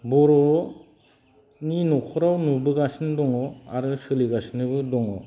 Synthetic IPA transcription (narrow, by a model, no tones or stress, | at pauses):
bɔɾɔ | ninɔkʰɔɾawnubɯɡasnɯdɔŋɔa̰ɾɯsɯliɡasnɯbɯdɔŋɔ̰